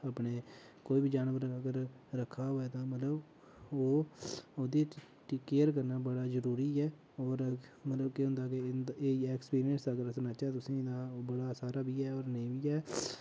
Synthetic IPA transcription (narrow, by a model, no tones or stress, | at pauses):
əːpɳeː | koːiːbid͡ʒaːnʋəɾəɡəɾ | ɾəkʰːaːɦoːɛːt̪ãːmət̪ləb | oːoːd̪iː | ʈkeːəɾk̬əɾnaːbəɽaːzəɾuːɾiːɛː | ɔːɾmət̪ləbkɪɦʊ̃nd̪aːkeeːɛːkspiːɾɪənsd̪aːɡəɾəsənat͡ʃaːt̪ʊsĩːd̪aːbəɽaːsaːɾaːbiːɛːɔːɾnəĩbiːɛː